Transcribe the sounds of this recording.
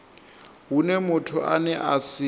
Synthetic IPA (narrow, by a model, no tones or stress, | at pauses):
ɦunɛmʊtʰʊʔanɛʔasɪ